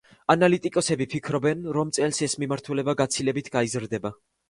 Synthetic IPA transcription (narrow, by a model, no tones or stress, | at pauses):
analit̪ʼikʼɔsɛbipʰikʰɾɔbɛnɾɔmt̪sʼɛlsɛsmimaɾt̪ʰulɛbaɡat̪sʰilɛbit̪ʰɡ̥aizɾd̪ɛba